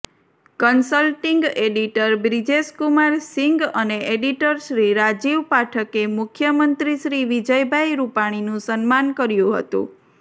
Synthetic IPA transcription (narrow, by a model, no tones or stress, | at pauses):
kənsəlʈiŋɡeɖiʈəɾbɾid͡ʒeskumaɾsiŋɡəneʔeɖiʈəɾʃɾiɾad͡ʒiʋpaʈʰəkemʊkʰjəmənt̪ɾiʃɾiʋid͡ʒəjbʱajɾupaɽ̃inũsənmankəɾjũɦə̰t̪ṵ̃